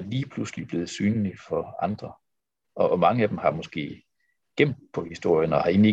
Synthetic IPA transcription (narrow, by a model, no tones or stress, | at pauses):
liːpʰluslib̥le̝ːð̩ˠsyːnlifɒ̽ɑ̈nd̥ʁɐ | ʔɒ̽mɑ̈ŋəæd̥emhɑ̈mɒ̽sɡ̥e̝̰ː | ɡ̥em̰d̥̚pʰɒ̽hisd̥o̝ɐ̰jənɒ̽hɑ̈e̝nlie